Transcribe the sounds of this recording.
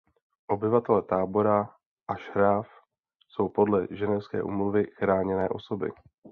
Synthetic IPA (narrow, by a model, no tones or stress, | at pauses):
ʔo̞bɪvat̪ɛlɛt̪aːbo̞ɾa | ʔaʃɦɾaːf | so̞wpo̞dlɛʒɛnɛfskɛ̰ːʔṵːmluvɪxɾaːɲɛnɛːʔo̞so̞bɪ̰